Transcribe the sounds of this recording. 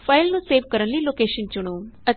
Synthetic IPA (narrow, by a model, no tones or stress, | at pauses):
fʰaɪlnũseːʋkəɾənliloːkeːʃənt͡ʃʊɽ̃õːə